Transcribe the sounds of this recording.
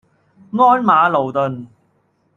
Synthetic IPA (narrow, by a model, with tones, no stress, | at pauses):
ŋɔː˥nmaː˨˧lo˨˩wt̪ɵ˨n